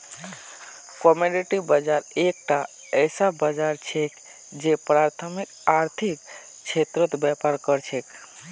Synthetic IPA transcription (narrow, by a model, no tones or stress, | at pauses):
komoɖiʈibəd͡ʒaɾek̚ʈa | əɪsabəd͡ʒaɾt͡ʃʰek | d͡ʒepɾaɾt̪ʰəmikaɾt̪ʰik | t͡ʃʰet̪ɾət̪bɛpaɾkəɾt͡ʃʰek